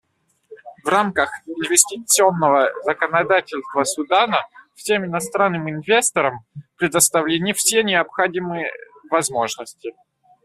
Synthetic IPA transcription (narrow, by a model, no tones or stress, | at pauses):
vramkəxɪnvʲɪsʲtʲɪt̪sɨo̞nːəvəzəkənɐd̪atʲɪlʲst̪vəsʊd̪anəfsʲe̞mɪnɐst̪ɾanːɨmɪnvʲe̞st̪əɾəmpɾʲɪd̪əst̪ɐvlʲenʲɪəfsʲenʲɪɐpxɐdʲimɨjəvɐzmo̞ʐnəsʲtʲɪ